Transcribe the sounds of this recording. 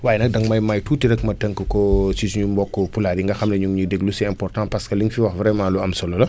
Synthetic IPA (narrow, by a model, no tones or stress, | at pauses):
waːjnɐk̚dɐŋmɐjmajtuːtiɾɛkmɐtəŋkəkɔsisɲumbɔkːɔpulaːɾiŋɡɐxɐmnɐɲuŋɲudɛɡlusɛɛ̃mpɔrtãpɐskɐliŋfiwɐxvɾɛmãːluɐmsɔlɔlɐ